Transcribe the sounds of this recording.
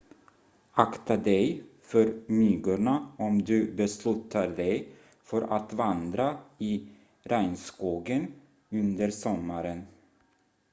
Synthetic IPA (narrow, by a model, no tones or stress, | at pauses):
akt̪ad̪ɛjfœɾmyːɡʊɳaɔmd̪ɵbɛslʉ̟ːt̪ʰaɖ̪ɛj | fœɾʔa̰t̪vand̪ɾaɪ | ɾæjnskuːɡən | ɵnd̪əɾsɔmːaɾən